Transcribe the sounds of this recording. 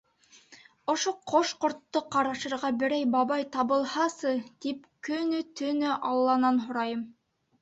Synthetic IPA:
ŏʃoqʰoʃqŏɾt̪ːoqɑɾɑʃɤ̆ɾʁɑbɘ̆ɾæjbɑβɑjt̪ɑβɤ̆lˠhɑsɤt̪ipkɵ̆nɵt̪ɵ̆nɘʔɑlˠːɑnɑnɦŏɾɑjɤm

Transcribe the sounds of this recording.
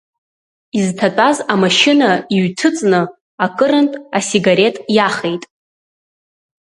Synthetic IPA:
iztʰatʼazamaʃɪnaiɥtʰɨt͡sʼnɨ | akʼɨɾɨntʼasiɡaɾe̞tʼjaχe̞jtʼ

